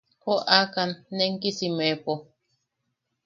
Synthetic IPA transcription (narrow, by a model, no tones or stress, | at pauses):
koʔakanːeŋkisimepo